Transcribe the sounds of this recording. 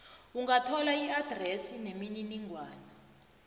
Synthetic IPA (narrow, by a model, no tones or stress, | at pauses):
uŋɡatʰɔlaiad̥ʱresinemininiŋɡʱwaːna